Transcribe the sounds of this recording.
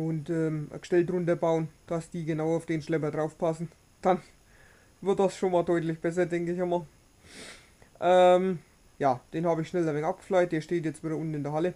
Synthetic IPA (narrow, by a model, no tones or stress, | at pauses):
ʊntʔɛːmə̰̥ʃtɛltʁʊntɐbaʊənd̥asd̥iːɡənaʊaʊfd̥eːnʃlɛp̬ɐdʁaʊfpʰasn̩ | d̥an | vɪɐt̚d̥asʃoːnmaːldɔʏtlɪçb̥ɛs̬ɐdɛŋkəɪçamaːl | ʔɛm | jaːd̥eːnhaːbəɪçʃnɛləɐvɛŋʔap̚ɡ̥ə̥flajt̚d̥eːɐʃteːtjɛt͡stv̥iːdɐʊntn̩ɪndeːɐɦalə